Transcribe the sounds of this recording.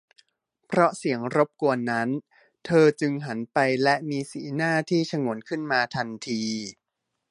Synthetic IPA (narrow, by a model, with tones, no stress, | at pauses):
pʰɾɔ˦˥si˩˦əŋɾo˦˥p̚ku˧ənːa˦˥n | t̪ʰɤː˧t͡ɕɯ˧ŋɦa˩˦npa˧jlɛ˦˥ʔmiː˧sḭː˩˦naː˥˩t̪ʰiː˥˩t͡ɕʰa˧ŋu˩˦nkʰɯ˥˩nmaː˧t̪ʰa˧nt̪ʰiː˧